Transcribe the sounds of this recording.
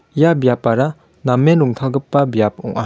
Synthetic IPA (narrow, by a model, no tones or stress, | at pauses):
ijabijapːaɾa | namːenluŋt̪ʰalɡɯpːabjap̚ɔ̰ŋʔa